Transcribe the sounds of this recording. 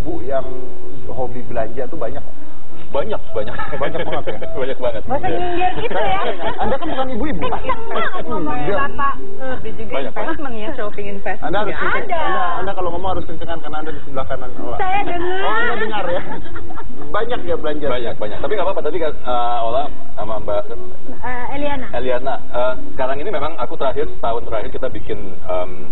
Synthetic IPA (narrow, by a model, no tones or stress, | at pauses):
ibujaŋ | ɦobibəlaɲd͡ʒat̪ubaɲak̚ | baɲak̚baɲak | baɲak̚maŋət̪ja | baɲak̚baŋət̪̚siɡ | isajaaŋət̪̚ | andakanbukanibuibua | mas | da | a | did͡ʒuɡaɲak | snəŋjaʃopɪŋɪnfɛsandahaɾʊsəɲt͡ʃəŋ | andaːndakalomomaŋhaɾʊskəɲt͡ʃəŋankarnaːndadisiblakanano̰la̰sajabəŋaaandadəŋarja | baɲak̚jabəlaɲd͡ʒaɾaɲak̚baɲak̚t̪apiŋɡapapat̪adikasə | ola | amamba | ə | elianaeliana | əː | sə̥kaɾaŋinimemaŋakut̪əɾaɦɪrət̪aɦʊnt̪əɾahɪrkit̪abikɪn | əm